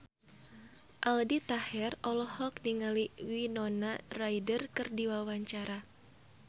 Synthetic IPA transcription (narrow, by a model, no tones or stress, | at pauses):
ʔaldit̪ahɛrɔlɔhɔk̚niŋaliwinɔnarajdərkɨrdiwawaɲt͡ʃaɾa